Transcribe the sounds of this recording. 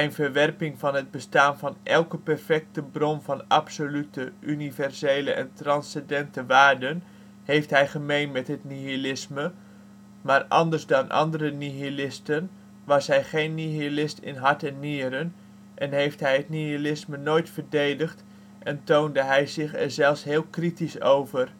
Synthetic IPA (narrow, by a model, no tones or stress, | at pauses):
ɛjnvəɹʋɛrpɪŋvɑnɦəd̚bəstaːnvɑnʔɛlˠkəpɛrfɛk̚təbronvɑnɑpsolytəʔynivɛrsejləʔɛ̰ntrɑnsɛndɛntəʋaːɹdən | hejftɦɛjχəmejnmɛtɦətniilɪsmə | maːrʔɑ̰ndəɹzdɑnʔɑ̰ndərəniɦilɪstən | ʋɑsɦɛjχejnːiɦilɪstɪ̰nɦɑɹtɛnːiːəɾən | ʔɛnɦejftɦɛjɦətniilɪsmənoːjtfərdejdəχt | ʔɛntowndəɦɛjzɪχɛ̰ɹzɛlˠfsɦɪːlˠkritisowvər